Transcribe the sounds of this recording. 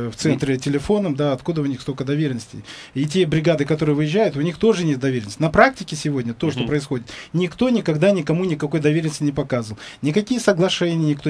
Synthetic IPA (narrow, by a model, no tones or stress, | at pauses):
ft̪sɛnt̪ɾʲɪtʲɪlʲɪfo̞nəmd̪aɐt̪kud̪əʊnʲixst̪o̞kəd̪ɐvʲeɾʲɪnəsʲtʲɪ̰jit̬ʲebɾʲɪɡad̪ɨkɐt̪o̞ɾɨjəvɨjɪʑʲːæjʊt̪ʊnʲixt̪o̞ʐɨnʲet̪̚d̪ɐvʲeɾʲɪnəsʲtʲɪnɐpɾak̚tʲɪkʲɪsʲɪvo̞dʲnʲət̪o̞ʂt̪opɾəɪsxo̞dʲɪt̪nʲɪkt̪o̞nʲɪkɐɡd̪anʲɪkɐmunʲɪkɐko̞jəd̪ɐvʲeɾʲɪnəsʲtʲɪnʲɪpɐkazəvəlˠnʲɪkɐkʲijəsəɡlˠɐʂɛnʲɪjənʲɪkt̪o